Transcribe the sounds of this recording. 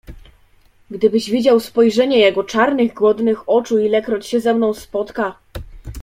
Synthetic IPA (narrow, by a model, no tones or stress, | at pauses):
ɡd̪ɘbɘʑvʲid͡ʑawspɔjʐɛɲɛjɛɡɔt͡ʂaɾnɘɣɡwɔd̪nɘxɔt͡ʂuilɛkɾɔt͡ɕɕɛzɛmnɔ̃w̃spɔt̪ka